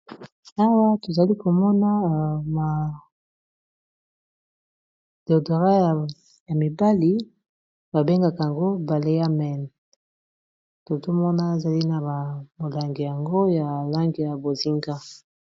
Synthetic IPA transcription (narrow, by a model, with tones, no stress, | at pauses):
a˦wa˦to˨za˨li˦ko˨mɔ˦na˦ma˨ | do˨do˨ʁa˦˨ | ja˨mi˨ba˦li˦ | ba˨be˦ŋɡa˨ka˨a˨ŋɡo˦ba˨le˦ja˦mɛ˨n˨ | to˨to˦mɔ˦na˦e˨za˨li˦na˨ba˨mo˨la˨ŋɡi˨ja˨ŋɡo˦ja˨la˦ŋɡi˨ja˨bo˨zi˦ŋɡa˦